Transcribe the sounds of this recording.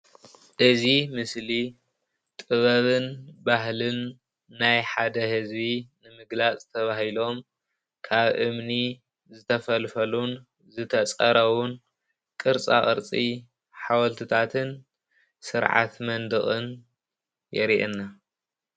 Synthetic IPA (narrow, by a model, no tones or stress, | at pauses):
ʔɨzimɨsli | t̪ʼɨβɐβɨnbaɦlɨnː | ajħad̪ɐhɨzbinɨmɨɡlat͡sʼt̪ʰɐβahilo̞m | kʰaβʔɨmni | zɨt̪ʰɐfɐlfɐlun | zɨt̪ʰɐt͡sʼɐɾɐwʊn | kʼɨɾt͡sʼa̰χʼɨ̰ɾt͡sʼi | ħawɐlt̪ʰɨt̪ʰat̪ʰɨn | sɨɾʕa̰t̪mɐnd̪ɨχʼɨn | jɛɾiʔɛnːa